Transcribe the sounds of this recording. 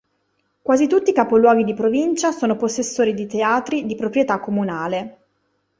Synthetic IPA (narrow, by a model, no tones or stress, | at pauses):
kwaːzit̪ut̪ːikapolwɔːɡ̟id̪ipɾovint͡ʃasoːnoposːesːoːɾid̪it̪eaːt̪ɾid̪ipɾopɾjet̪akːomunaːle